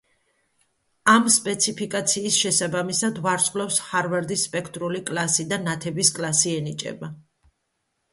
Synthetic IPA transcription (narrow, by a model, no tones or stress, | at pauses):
amspʼɛt̪sʰipʰikʼat̪sʰiːsʃɛsabamisad̪vaɾsʼqʼlɛfsχaɾvɛɾd̪isːpʼɛkʰt̪ʼɾulikʼlasid̪anat̪ʰɛbiskʼlˠasiɛnit͡ʃʼɛ̰ba